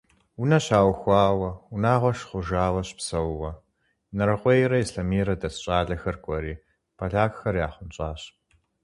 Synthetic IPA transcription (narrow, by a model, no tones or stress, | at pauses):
wʊnɐɕaːwxʷɑːwɐwʊnaːʁʷɔʃχʷʊʒaːwɐɕpsɐwwɐ | nɐɾɐqʷʼɔjɾɐisɬɐmiːɾɐdɐsɕʼaːɮɐxɐrkʷʼɔɾiː | pʰɐɮaːkxɐrjaːχʷʊnt͡ʃʼaːɕ